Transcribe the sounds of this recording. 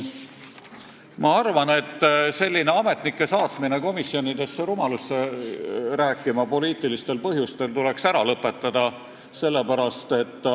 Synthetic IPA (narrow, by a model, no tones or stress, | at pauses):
mɑɑrvɑne̞t̪ˑːse̞lʲːine̞ɑme̞t̪nikːˑe̞sɑːt̪mine̞ko̞misːjo̞nid̪e̞sːeɾumɑlusːe | ræːkːˑimɑpo̞liːt̪ˑilist̪e̞lpɤɦjust̪e̞lt̪ule̞ksæɾɑlɤpːˑe̞t̪ˑːɑd̪̥ɑ | se̞lːe̞pæɾɑst̪e̞t̪ˑː